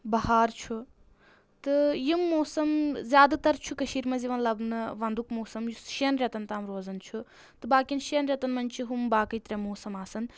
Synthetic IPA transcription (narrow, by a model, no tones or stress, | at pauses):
bɐɦaːɾt͡ʃʰu | t̪ɨjimːoːsɐmzjaːd̪at̪ɐɾt͡ʃʰukɐʃiːɾmɐziʋɐnlɐbnɨʋɐnd̪ukmoːsɐmjuʃeːnɾʲɐt̪ɐnt̪aːmɾoːzɐnt͡ʃʰu | t̪ɨbaːkʲinʃenɾʲɐt̪ɐnmɐnʲt͡ʃʰiɦumbaːkɐjt̪ɾʲɐmoːsɐmaːsɐn